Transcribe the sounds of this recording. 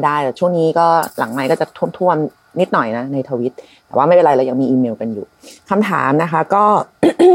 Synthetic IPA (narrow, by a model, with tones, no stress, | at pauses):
daː˥˩jt̪ɛː˨˩t͡ɕʰu˥˩əŋniː˦˥kɔː˥˩la̰˨˩˦ŋma˧jkɔː˥˩t͡ɕa˨˩t̪ʰu˥˩əmt̪ʰu˥˩əm | ni˦˥t̪̚nɔ˨˩jna˦˥na˧jt̪ʰaː˧wi˦˥t̪̚t̪ɛː˨˩waː˥˩ma˥˩jpe˧nɾa˧jɾa˧ja˧ŋmiː˧ʔiː˧meː˧wka˧njṵː˨˩kʰa˧mt̪ʰa̰ː˩˦mna˦˥kʰa˦˥kɔː˥˩